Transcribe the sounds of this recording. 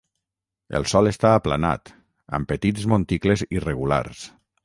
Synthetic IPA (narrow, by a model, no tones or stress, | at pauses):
ḛlˠsɔlest̪aːpla̰na̰t̪ | ə̰mpət̪izmont̪iklezireɣula̰ɾs